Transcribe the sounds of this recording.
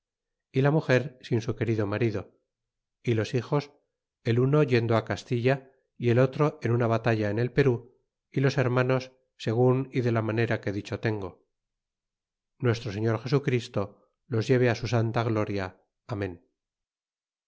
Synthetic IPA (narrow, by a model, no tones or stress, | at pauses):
ilamuxe̞ɾsinsuke̞ɾiðo̞maɾiðo̞ | ilo̞sixo̞s | e̞luno̞ʝe̞nd̪oakast̪iʎa | ie̞lo̞t̪ɾo̞ʔe̞nunaβat̪aʎaene̞lpe̞ɾu | ilo̞se̞ɾmano̞sː | e̞ɣ̞uniðe̞lamane̞ɾake̞ðit͡ʃo̞t̪e̞ŋɡo̞ | nwe̞st̪ɾo̞se̞ɲo̞ɾxe̞sukɾist̪o̞ | lo̞zʝe̞β̞easusant̪aɣlo̞ɾjaː | mẽ̞n